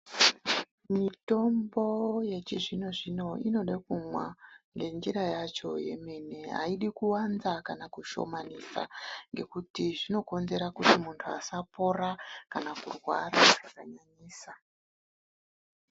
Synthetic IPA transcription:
mito̞mbo̞je̞t͡ʃiʐino̞ʐino̞ino̞ɗakumwaŋɡe̞nd͡ʒiɾajat͡ʃo̞̰je̞̰me̞ne̞ɦa̰iɗikuwanzakanakuʃo̞̰manisa̰ŋɡe̞̰kutiʐino̞ko̞nze̞ɾakutimuntʰua̰sapo̞ɾakanakurɣwa̰ɾaʐakaɲaɲiːsa

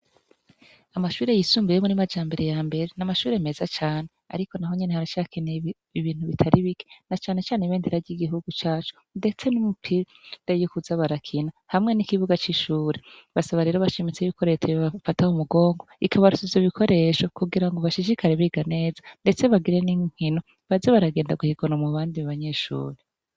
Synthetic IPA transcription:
amaʃuːɾe̞jisuːmbijemunimad͡ʒaːmbe̞ɾejaːmbe̞ɾenamaʃuːɾeme̞zat͡ʃaːne̞a̰ɾiko̞naɦo̞ɲenehaɾaʃakene | iβiːn̥huβitʰaɾiβike̥nat͡ʃaːne̞t͡ʃaːneβeːndeɾaɟiɡiɦuɡut͡ʃaːt͡ʃo̥ | nde̞t͡se̞numupʰi | dejokuzaβaɾakʰina | hamŋe̞nikiβuɡat͡ʃiʃuːɾeβasaβaɾe̞ːɾoβaʃemit͡seiβiko̞ɾe̞t͡ʃeβafataumuɡo̞ːŋɡo̞ikʰaβaɾusizoβikʰo̞ɾe̞ʃo̞kuɡiɾaŋɡo̞βaʃid͡ʒikʰaɾeβiɡane̞ːzande̞t͡se̞βaɡiɾe̞niŋ̥hino̞ | βazeβaɾaɡe̞ːndaɡuhiɡonamuβaːndiβaβaɲe̞ʃṵːɾe

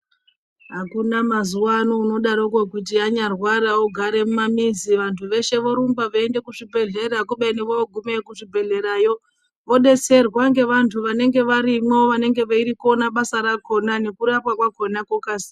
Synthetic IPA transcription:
ɦakunamazuwanouno̞ɗaɾok̬wokut̬iaɲarwaɾaoɡʱaɾe̞mumamiziʋantʰuʋe̞ʃe̞ʋo̞ɾumbaʋaende̞kuʐibʱe̞ɮe̞ɾak̬uɓeneʋooɡʱumekuʐibʱe̞ɮe̞ɾajo̞ | ʋo̞ɗe̞se̞rwaŋɡe̞ʋantʰuʋane̞ŋɡe̞ʋaɾimweoʋane̞ŋɡe̞ʋaiɾikonaɓasaɾako̞nane̞kuɾapwakwako̞nakokasi̥

